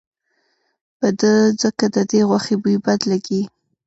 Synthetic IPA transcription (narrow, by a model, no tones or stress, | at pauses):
pəd̪əzəkad̪əd̪eɣwaxebujbad̪laɡi